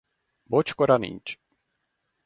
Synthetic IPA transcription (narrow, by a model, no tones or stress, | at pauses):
bɔt͡ʃkoɾanḭnʲt͡ʃ